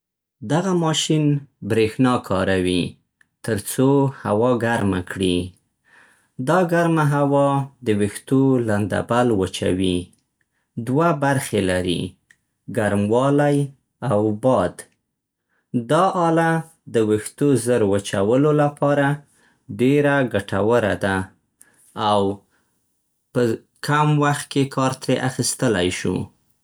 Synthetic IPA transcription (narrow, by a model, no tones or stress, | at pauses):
d̪aɣamɑʃinbɾexnɑkʰɑ̰ɾawi | t̪əɾt͡sohawɑɡaɾma̰kɽi | d̪ɑɡaɾmaɦawɑd̪əwext̪oland̪a̰balwət͡ʃa̰wi | d̪wabaɾxelaɾḭ | ɡaɾmwɑlaj | awbɑd̪ | d̪ɑʔɑla | d̪əwext̪ozəɾwət͡ʃawəlolapɑɾa | ɖeɾaɡaʈawəɾa̰d̪a | aw | pə | kamwaxt̪̚kekʰɑɾt̪ɾeʔaxist̪əla̰jʃṵ